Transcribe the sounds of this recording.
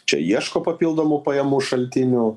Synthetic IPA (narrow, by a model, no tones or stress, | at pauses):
t͡ʃʲɛ̰jiɛʃkoːpɐpʲilˠd̪oːmʊpɐjɛmuːʃɐlʲt̪ʲɪnʲʊ